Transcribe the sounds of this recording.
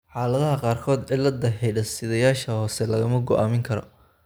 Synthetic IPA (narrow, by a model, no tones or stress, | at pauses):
ħɑːlɐðɐɦɐqɑːrkʰɔːd̪ʕɪlɐd̪ɐɦɛjɖɐsɪðɐjaːʃɐhɔːsɛlɐɣɐmɐɡɔʔaːmɪŋkʰɐɾɔ̰